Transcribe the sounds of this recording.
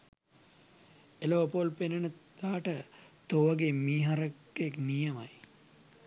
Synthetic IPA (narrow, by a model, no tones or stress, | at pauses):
eloːpolpenɐnəd̪̥aːʈət̪oʋɐɡemiːɦaɾəkː | eknijɐmaj